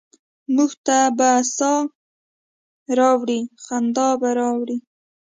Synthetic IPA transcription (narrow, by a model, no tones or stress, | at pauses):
muɡt̪abasɑ | ɾɑwɽixand̪ɑbaɾɑwɽi